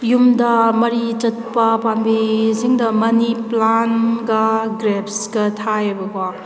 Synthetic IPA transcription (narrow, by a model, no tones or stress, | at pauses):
jumdɐmɐɾit͡ʃɐt̚pɐpanbisiŋdɐmɐniplanɡɐɡɾepsɡɐtʰajebɐkwa